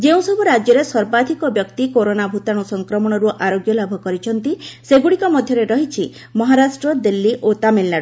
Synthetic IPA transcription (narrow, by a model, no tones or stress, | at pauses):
d͡ʒeũsɔbʱuɾad͡ʒjɔɾesɔɾbad̪ʱikɔbjɔkt̪ikoɾonabʱut̪aɽ̃ɔsɔŋkɾɔmɔɽ̃ɔɾuʔaɾoɡjɔlabʱɔkɔɾit͡ʃʰɔnt̪iseɡuɽikɔmɔd̪ʱjɔɾeɾɔɦit͡ʃʰi | mɔɦaɾasʈɾɔd̪ilːiʔot̪amelnaɽɔ